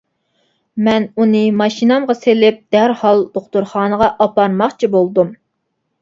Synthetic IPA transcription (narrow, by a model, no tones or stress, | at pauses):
mɛnunɨmɑʃinɑmʁɑselɪp̚d̪̥æɾhɑlˠd̪̥oχt̪uɾχɑːnəʁɑʔɑpɑɾmɑχt͡ʃʰibolˠd̪um